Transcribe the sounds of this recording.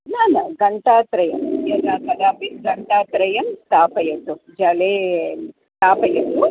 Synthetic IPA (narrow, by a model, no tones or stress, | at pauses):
naːnɐɡɐɳʈaːt̪ɾɐjɐmjɐɾaːkɐd̪aːpiɡɐɳʈaːt̪ɾɐjɐmst̪aːpɐjɐt̪ːud͡ʒɐleːst̪aːpɐjɐt̪ːu